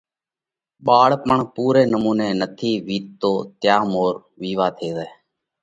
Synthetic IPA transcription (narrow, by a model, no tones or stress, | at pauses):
ɓaːɽpəɳpuːɾeːnəmuːneːnət̪ʰiːʋiːt̪t̪oːt̪jaːmoːɾ | ʋiːʋaːt̪ʰeːzəː